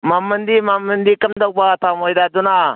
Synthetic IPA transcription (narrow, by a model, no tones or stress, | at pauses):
mamːənd̪imamːənd̪ikəmd̪ək̚bat̪amojdaduna